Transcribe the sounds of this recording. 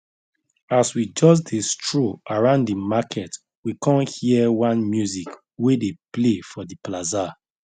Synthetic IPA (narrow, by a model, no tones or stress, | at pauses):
aswid͡ʒɔs̬destʰɹoaɹãʊ̃ndimakʰɛt | wikɔ̃nhiɛwãnmjuzik | wedeplefɔdiplaza